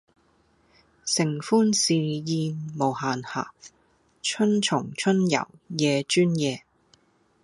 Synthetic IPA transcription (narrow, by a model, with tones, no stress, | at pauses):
sɪ˨˩ŋfuː˥nsiː˧jiː˧mo˨˩whaː˨nha̰ː˨˩ | t͡ʃʰɵ˥nt͡ʃʰʊ˨˩ŋt͡ʃʰɵ˥njɐ̰˨˩wjɛː˨˧t͡ʃyː˥njɛː˨˧